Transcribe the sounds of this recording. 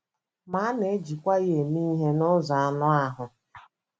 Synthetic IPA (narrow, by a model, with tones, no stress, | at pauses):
ma˨˦ne˨˦d͡ʒi˨kʷa˦je˨mi˦ɦe˦nʊ˦za˨a˦˨nʊ˦a˦ɦʊ˨